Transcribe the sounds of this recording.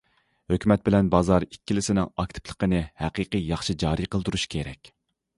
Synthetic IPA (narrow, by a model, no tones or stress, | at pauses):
høkʲʰymɛt̪̚bɪlɛnbɑzɑɾikʲːilɪsɪnɪŋɑk̚ʲt̪ʰɪ̥plˠə̥qənɨhɛqiqijɑχʃid͡ʒɑːɾiqəlˠd̪uɾuʃkʲʰeɾɛkʲ